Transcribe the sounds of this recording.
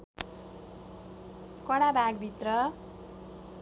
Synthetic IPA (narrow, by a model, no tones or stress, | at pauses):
kʌɽabʱaɡbʱit̪rʌ